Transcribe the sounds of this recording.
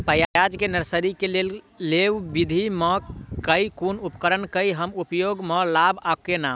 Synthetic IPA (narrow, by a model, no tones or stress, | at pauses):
pəjajad͡ʒkenəɾsəɾikelel | leʋbid̪ʱiməkəikunupkəɾənkəjɦəmupjoɡməlabʱakena